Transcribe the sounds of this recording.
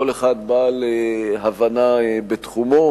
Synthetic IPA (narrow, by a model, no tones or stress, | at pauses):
oleχad̪̚baleɦavanabet̪χumo̞